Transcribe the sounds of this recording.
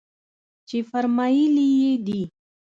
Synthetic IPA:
t͡ʃefaɾmajilijed̪i

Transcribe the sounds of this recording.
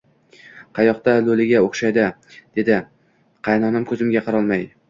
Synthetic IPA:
qʰɑjɒqt̪alolɪɡʲaoχʃajd̪ɪ | d̪̥e̞d̪ɪ | qʰɑjnɒnamkʰɵzɪmɡʲaqʰɑɾɒlˠmaj

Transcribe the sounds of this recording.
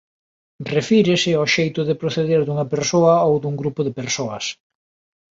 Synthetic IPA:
refiɾɪsɪɔʃejt̪ʊðepɾoθeðeɾðuŋɐpeɾsoɐowd̪uŋɡɾupʊðepeɾsoɐs

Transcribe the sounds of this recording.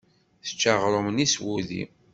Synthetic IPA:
θə̥t͡ʃːaʁɾˤoməniswuðḭ

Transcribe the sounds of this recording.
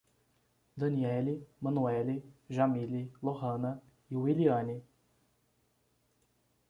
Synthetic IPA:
d̪ɐnʲiɛlimanuɛliʒamilʲilɔhənə | iwilʲianʲi

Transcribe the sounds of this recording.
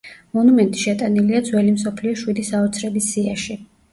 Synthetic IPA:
mɔnumɛnt̪ʼi̥ʃɛt̪ʼaniliad̪zwɛlimsɔpʰliɔʃwid̪isaɔt̪sʰɾɛbisːiaʃi

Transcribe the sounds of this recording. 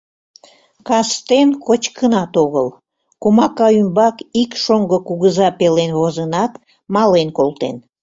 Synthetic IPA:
kɑst̪enkot͡ɕkənɑt̪oɣəl | kumɑkɑymbɑkikʃoŋɡəkuɣəzɑpelenβozənɑt̪ | mɑlenkolˠt̪ḛn

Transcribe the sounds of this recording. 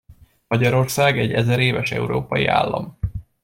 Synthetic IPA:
mɒɟɒɾo̞rsaːɡɛɟːɛzɛɾeːvɛʃɛ̰uɾoːpɒjia̰ːlːɒ̰m

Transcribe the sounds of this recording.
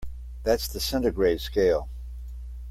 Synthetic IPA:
ðætsðɨsɛ̃ntəɡɹeɪd̥skeɪlˠ

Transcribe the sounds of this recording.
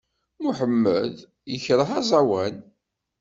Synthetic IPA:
muħəmːəð | jəçɾəhɑzˤɑwæn

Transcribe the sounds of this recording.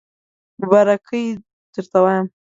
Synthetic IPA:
mʊbaɾakʰəj | d̪̥əɾt̪awɑjam

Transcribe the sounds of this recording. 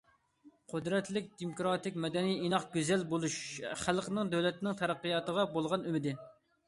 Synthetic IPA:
qʰʊd̪ɾɛt̪lɪk̚ʲd̪emokɾɑt̪ɪkʲmɛd̪ɛnijinɑχɡʲyzɛlbolˠuʃχælˠqənɪŋd̪ɛwlɛt̪ɪnɪŋt̪ʰɑɾæqːɨjɑt̪əʁɑbolˠʁɑnymɪd̪ɪ

